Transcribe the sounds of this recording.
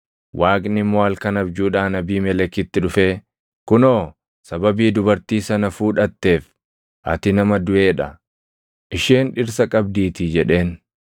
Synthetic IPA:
wʔaːkʼnɪmːoɐlkɐnɐbd͡ʒuːᶑaːnɐbiːmɛlɛkːɪt̪ːɪᶑʊfe̞ː | kʊno̞ː | sɐbɐbiːd̪ʊbɐɾt̪iːsɐnɐfuːᶑɐt̪ːe̞ːf | ʔɐ̰t̪ɪnɐmɐd̪ʊʔe̞ːᶑɐ | ʔɪʃeːnᶑɪɾsɐkʼɐbd̪iːt̪ɪd͡ʒɛᶑe̞ːn

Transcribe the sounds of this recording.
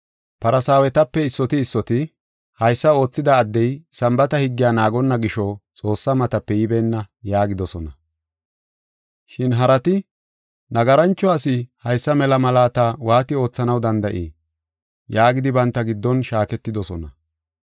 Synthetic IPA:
pɐɾɐsaːwɛt̪ɐpːɛɪsːɔt̪ɪːsːɔt̪ɪ | hɐjsːɐo̞ːt͡sːɪd̪ɐːd̪ːɛjsɐmbɐt̪ɐhɪɡːɪjaːnaːɡɔnːɐɡɪʃɔt͡sʼo̞ːsːɐmɐt̪ɐpːɛjɪbɛnːɐjaːɡɪd̪ɔsɔnɐ | ʃɪnɦɐɾɐt̪ɪ | nɐɡɐɾɐnt͡ʃːɔasɪhɐjsːɐmɛlɐmɐlaːt̪awaːt̪ɪo̞ːt͡sːɐnɐwd̪ɐnd̪ɐʔḛː | jaːɡɪd̪ɪbɐnt̪ːɐɡɪd̪ːɔnʃaːkɛt̪ːɪd̪ɔsɔnɐ

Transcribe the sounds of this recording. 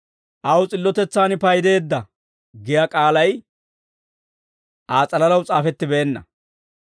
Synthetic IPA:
ʔɐwt͡sʼɪlːɔt̪ɛt͡sːaːnpɐjd̪e̞ːd̪ːɐ | ɡɪjɐkʼaːlɐj | ʔaːt͡sʼɐlɐlɐwt͡sʼaːfɛt̪ːɪbeːnːɐ̰

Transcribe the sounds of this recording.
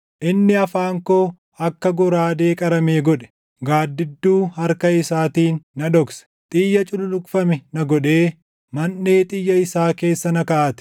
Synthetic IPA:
ʔɪnːɪɐfaːŋkoː | ɐkːɐɡɔɾaːd̪e̞ːkʼɐɾɐmeːɡɔᶑɛ̥ | ɡaːd̪ːɪd̪ːuːhɐɾkɐɪsaːt̪iːnːɐᶑ̪ɔksɛ̥t̪ʼiːjːɐt͡ʃʼʊlʊlʊkʼfɐmɛnɐɡɔᶑe̞ː | mɐnːeːt̪ʼɪjːɐɪsaːke̞ːsːɐnɐkɐʔɐt̪ɪ̥

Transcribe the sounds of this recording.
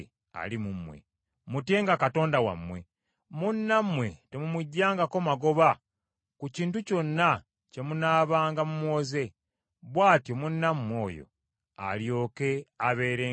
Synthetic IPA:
a̰limumwḛ | mute̞ŋɡakato̞ːndawa̰mːwe̞̰ | munːamwe̞te̞mumuɟːaːŋɡako̞maɡo̞βa | kuciːntuco̞nːa | ce̞munaːβaːŋɡamumwoːze̞ | βwaːtjo̞munːamwo̞̰ːjo̞̰ | a̰ljo̞ːke̞aβe̞ːɾe

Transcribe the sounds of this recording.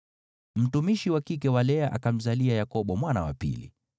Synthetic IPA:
m̩tumiʃiwakik̬ɛwalɛaʔakam̩zaliajakɔɓɔmwanawa̰pḭlḭ

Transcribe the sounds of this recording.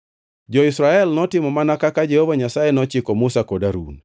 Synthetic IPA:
d͡ʒɔisɾaɛlnɔtɪmɔmanakakad͡ʒɛhovaɲasajenɔt͡ʃɪkɔmusakɔdaɾṵn

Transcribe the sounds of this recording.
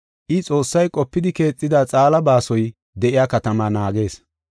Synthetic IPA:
ʔɪt͡sʼo̞ːsːɐjkʼɔpːɪd̪ɪke̞ːt͡sʼːɪd̪aːt͡sʼaːlɐbaːsɔj | d̪ɛʔɪjaːkɐt̪ɐmanaːɡe̞ːs

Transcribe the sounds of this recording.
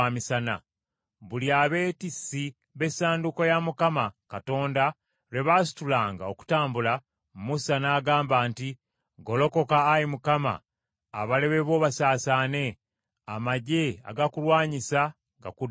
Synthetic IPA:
amisana̰ | βuliaβe̞ːtisːi | βe̞saːndukojamukamakato̞ːnda | ɾe̞βaːsi̥tulaːŋɡao̞ku̥taːmbula | mmusanaːɡaːmbaːnti | ɡo̞lo̞ko̞kaːjimukama̰ː | βale̞βe̞βo̞ːβasaːsaːne̞ | amaɟe̞a̰ɡakulwaːɲisa | ɡa̰kud

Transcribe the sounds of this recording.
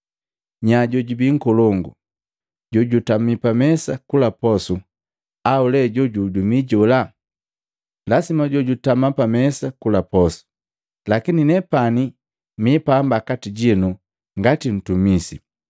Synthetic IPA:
ɲaɟɔɟubiŋ̩kɔlɔŋɡu | ɟɔɟutamipamɛsakulapɔsu | aulɛɟɔɟudumiɟɔla | lasimaɟɔɟutamapamɛsakulapɔsu̥ | lakininɛpani | mipambakatiɟinu | ŋɡatin̩tumisi

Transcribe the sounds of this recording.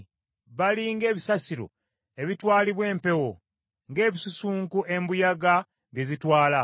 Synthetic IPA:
βaliŋɡe̞ːβisasiɾo̞̰ | e̞βitwaːliβwe̞ːmpe̞wo | ŋɡe̞ːβisusuːŋkuʔe̞mbujaɡa | βje̞zitwaːla

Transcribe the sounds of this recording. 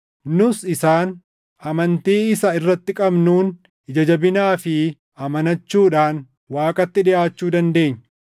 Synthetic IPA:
nʊsɪsaːn | ʔɐmɐnt̪iːɪsɐɪrːɐt̪ːɪkʼɐbnuːn | ɪd͡ʒɐd͡ʒɐbɪnaːfɪ | ʔɐmɐnɐt͡ʃːuːᶑaːn | waːkʼɐt̪ːɪᶑɪʔaːt͡ʃːuːd̪ɐnd̪e̞ːɲː

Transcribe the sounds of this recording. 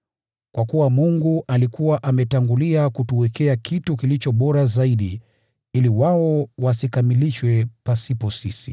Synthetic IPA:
kwakuwamuŋɡuʔalikuwaʔamɛtaŋɡuliakutuwɛkɛakʰitukilit͡ʃɔɓɔɾazaiɗi | iliwaɔwasikamiliʃwɛpasipɔsisḭ

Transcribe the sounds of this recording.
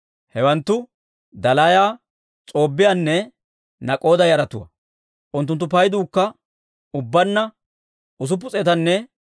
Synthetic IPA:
hɛwɐnt̪ːʊ | d̪ɐlajaː | t͡sʼo̞ːbːɪjanːɛ | nɐkʼo̞ːd̪ɐjɐɾɐt̪ʊwɐ̰ | ʔʊnt̪̬ːʊnt̪ːʊpɐjd̪uːkːɐ | ʊbːɐnːɐ | ʊs̬ʊp̬ːʊt͡sʼɛt̪ɐnːɛ

